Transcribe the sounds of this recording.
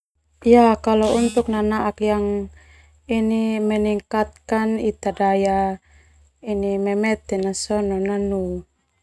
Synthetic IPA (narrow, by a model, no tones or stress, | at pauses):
ijakalɔunt̪uknanaʔakjaŋ | inimɛniŋkat̪̚kanit̪adaja | inimɛmɛt̪ɛnasɔnɔnanu